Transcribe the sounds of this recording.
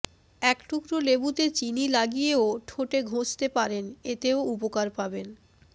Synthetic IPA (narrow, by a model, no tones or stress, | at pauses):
ɛkʈukɾolebut̪et͡ɕinilaɡijeoʈʰoʈeɡʱot͡ɕt̪epaɾenet̪eoupokaɾpaben